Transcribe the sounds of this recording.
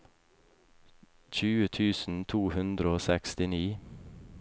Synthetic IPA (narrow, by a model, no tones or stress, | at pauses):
çʉːət̪ʰʉːsn̩t̪ʰuːhʉnd̪ɾəoːsɛkst̪ɪniː